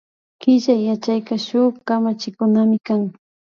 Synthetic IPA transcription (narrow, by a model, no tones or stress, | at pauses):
kɪʒajːat͡ʃajkaʃʊχkamat͡ʃɪkʊnamɪkaŋ